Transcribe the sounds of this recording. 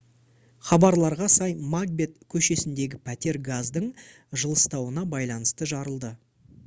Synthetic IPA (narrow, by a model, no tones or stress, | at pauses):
χɑbɑɾlˠɑɾʁɑsɑjmaɡ̚bʲe̞t̪kʲʰɵʃe̞sɪnd̪e̞ɡʲɪpʰæt̪e̞ɾɡazd̪əɴ | ʒəlˠəst̪ɑwənɑbɑjlˠɑnəst̪əʒɑɾəlˠd̪ə